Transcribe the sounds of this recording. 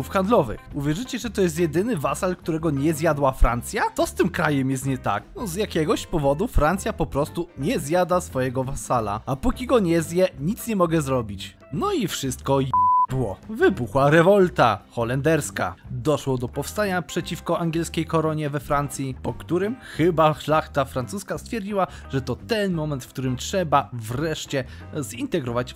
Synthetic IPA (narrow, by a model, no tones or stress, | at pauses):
ufxand̪lɔvɘ̰xuvʲjɛʐɘt͡ɕɛʐɛt̪ɔjɛst̪̬jɛd̪ɘnɘvasalkt̪uɾɛɡɔɲɛzʲjad̪wafɾant̪sʲjat̪ɔst̪ɘmkɾajɛmjɛst̪̚ɲɛt̪a̰knɔzjakʲɛɡɔɕpɔvɔd̪ufɾant̪sʲjapɔpɾɔst̪uɲɛzjad̪asfɔjɛɡɔvasala̰apukʲiɡɔɲɛzjɛɲit̪sɲɛmɔɡɛzɾɔbʲit͡ɕ | nɔifʂɘst̪̚kɔbɘwɔvɘbuxwaɾɛvɔlt̪axɔlɛnd̪ɛɾska̰d̪ɔʂwɔd̪ɔpɔfst̪aɲapʂɛt͡ɕifkɔʔaŋɡʲjɛlskʲejkɔɾɔɲɛvɛfɾant̪sʲjipɔkt̪uɾɘmxɘbaʂlaxt̪afɾant̪suskast̪fʲjɛɾd͡ʑiwa | ʐ̥ɛt̪ɔt̪ɛnmɔmɛnt̪fkt̪uɾɘmtʂɛbavɾɛʂt͡ɕɛ | zint̪ɛɡɾɔvat͡ɕ